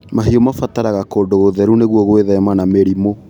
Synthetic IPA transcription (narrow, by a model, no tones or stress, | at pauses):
maɦiɔmafataɾaɣakoːndoɣoðɛɾuneɣwɔɣweðɛmanameɾimo